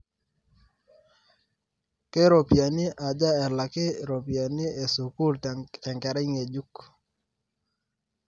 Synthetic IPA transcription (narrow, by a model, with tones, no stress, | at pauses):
ke˦ɾo˨pja˨ni˦ʔa˨d͡ʒa˦ɛ˨la˨ke˦ɾo˨pja˨ni˦e˨su˨ku˦ltɛ˨ŋkɛ˨ɾɛ˦i˦ŋe˨d͡ʒu˦k